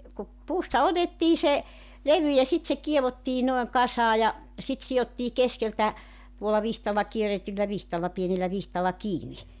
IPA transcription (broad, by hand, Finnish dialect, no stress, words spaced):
ku puːstɑ otetːiː se leʋy jɑ sit se kieʋotːiː noeŋ kɑsɑː jɑ sit siotːiː keskeltæ tuolːɑ ʋihtɑlːɑ kieretylːæ ʋihtɑlːɑ pienelːæ ʋihtɑlːɑ kiːni